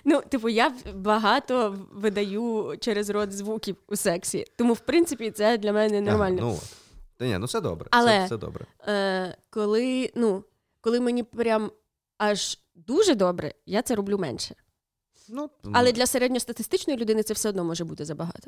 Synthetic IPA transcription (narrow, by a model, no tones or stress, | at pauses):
nut̪ɪp̬ʊjabɐɦɑt̪ɔʋɪd̪ɐjut͡ʃɛɾezrɔd̪zʋukʲiwusɛksʲit̪ɔmuwpɾɪnt̪sɨpʲit̪sɛd̪lʲɐmɛnɛnɔrmɑlʲnɔnɔ̰ | nʲɛ̰nut̪sɛd̪ɔ̰bɾɛɐlˠɛsɛd̪ɔ̰bɾɛ̰əkɔlˠɪnu | kɔlˠɪmenʲipɾʲam | ɑʒ | d̪uʒɛd̪ɔbɾɛ̰jat̪sɛɾɔblʲumɛ̰nʃɛ̥ | nuɐlˠɛd̪lʲɐseɾɛdʲnʲɔst̪ɐt̪ɪst̪ɪt͡ʃnɔjilʲʊd̪ɪnɪt̪sɛwsɛɔd̪nɔmɔʒɛbut̪ɪzɐbɐɦɑ̰t̪ɔ̥